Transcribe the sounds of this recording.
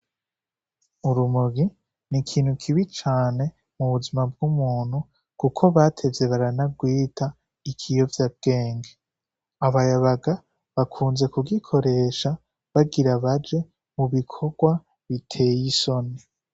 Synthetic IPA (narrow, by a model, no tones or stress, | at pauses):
uɾumuɡi | nikʰiːn̥hukʰiβit͡ʃaːne̞ | muβuzimab̚ɡumuːn̥hu | kukʰo̞βaːtʰe̞ze̞βaɾanaɡwiːtʰa | ikʰijo̞vjab̚ɡ̥e̞ːŋɡe | aβajaβaɡa | βakʰuːnze̞kuɡikʰo̞ɾe̞ːʃa | βaɡiɾaβad͡ʒe̞ | muβikʰo̞ɡwa | βitʰe̞jiso̞ne